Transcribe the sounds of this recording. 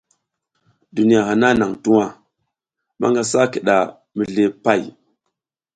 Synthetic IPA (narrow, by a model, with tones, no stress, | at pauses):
du˨ni˦a˨ɦa˨na˦na˨ŋtu˦wa˨ | ma̰˦ŋɡa˦sa˦ki˨ɗa˨ | mi˨ɮe˨pa˦˨j